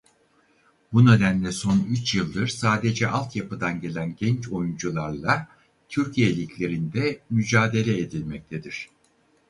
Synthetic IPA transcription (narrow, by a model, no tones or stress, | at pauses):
bune̞d̪ænlʲɛso̞nyt͡ʃjɯlˠd̪ɯɾsaːd̪e̞d͡ʒɛʔalˠt̪japɯd̪anɟe̞lʲænɟɛnt͡ʃo̞jund͡ʒulˠaɾlˠa | t̪ʰyɾcʰijelʲicʰlʲe̞ɾind̪ɛmyd͡ʒaːd̪e̞lʲɛed̪ilʲmɛc̚t̪ʰe̞d̪iɾ̝̥